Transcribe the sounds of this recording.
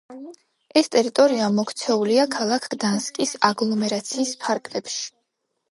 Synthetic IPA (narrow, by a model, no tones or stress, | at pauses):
ɛst̪ʼɛɾit̪ʼɔɾiamɔkʰt̪sʰɛuliakʰalˠakʰɡd̪anskʼisaɡlˠɔmɛɾat̪sʰiːspʰaɾkʼlɛpʃi̥